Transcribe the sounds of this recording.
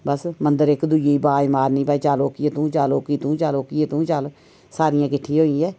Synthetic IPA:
bəsmənd̪əɾɪkd̪ud͡ʒeiːbaːimaːɾnĩːbaːiːt͡ʃaːloːkiet̪ũːt͡ʃaːloːkiːt̪ũːt͡ʃaːloːkiet̪ũːt͡ʃal | saːɾɪjãːkɪʈʰːiːɦoːĩːɛː

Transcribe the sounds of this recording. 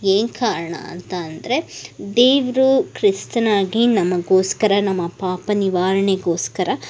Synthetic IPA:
eːnkaːɾɐɳɐ̰ɐ̰nt̪ɐːnd̪ɐɾe̞d̪eːʋɾukɾist̪ɐnaːɡinɐmːɐɡo̞ːskɐɾɐnɐmːɐpaːpɐniʋaːɾɐɳeɡo̞ːskɐɾɐ

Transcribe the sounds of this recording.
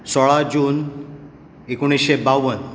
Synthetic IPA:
sɔɭad͡ʑuːn | ekoɽ̃isɕebawʋən

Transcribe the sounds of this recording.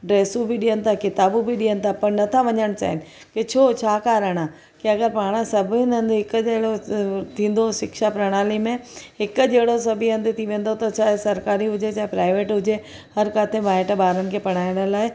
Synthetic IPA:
ɖɾeːsubɪɗijənɪ̆t̪ʰakɪt̪aːbubiɗiːənɪ̆t̪ʰapɐɾnɐt̪ʰaʋɐɲəɽ̃t͡ɕa̰ːɦɪnɪ̆ | ket͡ɕʰoːt͡ɕʰaːkaːɾəɽ̃a | kiɐɡəɾpaːɽ̃əsɐbʱɪnɐ̃nd̪ɦɪkd͡ʑɐɦɪɽot̪ʰĩːn̆d̪oʃɪkʃapɾɐɽ̃aːlimẽɦɪkʊd͡ʑɐɦɽos̬ɐbʱiɐ̃nd̪ʱɪt̪ʰiʋẽːnd̪ot̪ɐt͡ɕʰaːɦesɐɾkaːɾiɦʊd͡ʑet͡ɕaːɦepɾaːɪʋeːʈɦʊd͡ʑe | hɐɾkaːt̪ʰemaːɪʈɓaːɾənɪ̆kʰeːpɐɽ̃aːɪɽ̃əlaːɪ

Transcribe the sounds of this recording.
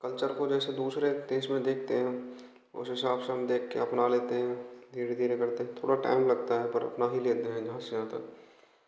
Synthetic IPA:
kɐlt͡ʃəɾkod͡ʒɛːsed̪uːsɾet̪eːsmẽd̪eːk̚ʰt̪eɦɛ̃ | ʊ̰sesaːpʃəmd̪eːkʰːeɐpnaleːt̪eɦɛ̃d̪ʱiːɾed̪ʱiːɾekɐɾt̪eɦɛ̃t̪ʰo̰ːɽaʈa̰ːɪmlɐɡt̪aɦɛpəɾɐ̰pnaɦileːt̪eɦɛ̃d͡ʒɐɦãsed͡ʒãːt̪a̰ɦɛ

